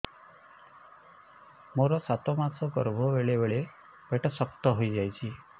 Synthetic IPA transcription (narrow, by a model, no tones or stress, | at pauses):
moɾɔsat̪ɔmasɔɡɔ̰ɾbʱɔbeɭebeɭe | beʈɔsɔkt̪ɔɦojd͡ʒajt͡ʃʰi